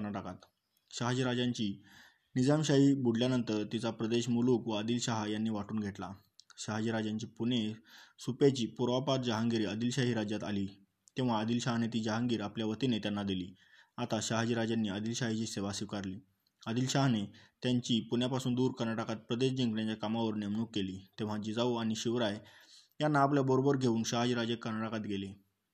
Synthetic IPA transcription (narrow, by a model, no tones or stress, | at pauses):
ɳaʈakat̪ | ɕaɦd͡ʑiɾad͡ʑaɲt͡ɕiː | nid͡zamɕaɦiːbuɽljanənt̪əɾt̪it͡sapɾəd̪eɕmulukʋəəd̪iːlɕaɦajanːiːʋaʈuːnɡʱeʈla | ɕaɦad͡ʑiɾad͡ʑaɲt͡ɕiːpunesupjat͡ɕiːpuɾʋapat̪̚d͡ʑəɦãŋɡiɾiːəd̪iːlɕaɦiːɾad͡ʑjat̪a̰liː | t̪ẽw̃ʋ̤aəd̪iːlɕaɦanet̪iːd͡ʑəɦãŋɡiːɾapljaʋət̪inet̪janːad̪iliː | at̪aɕaɦd͡ʑiɾad͡ʑanːiːəd̪ilɕaɦit͡ɕiːseʋasikaɾliː | əd̪iːlɕaɦnet̪jaɲt͡ɕiːpuɳjapasuːnd̪uːɾkəɾnaʈakat̪̚pɾəd̪eɕd͡ʑiŋɡnjãt͡ɕjakamaʋəɾnemnuːkːeliːt̪ẽʋ̤ad͡ʑid͡zauañiɕiʋɾajjanːaːpljabəɾobəɾɡʱeuːnɕaɦd͡ʑiɾad͡ʑekːəɾnaʈakat̪ɡʱele